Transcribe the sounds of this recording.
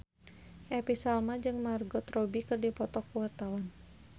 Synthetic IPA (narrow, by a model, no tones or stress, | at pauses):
ʔɛpisalmad͡ʒɨŋmarɡɔt̪rɔbikɨrdipɔt̪ɔkuwat̪awan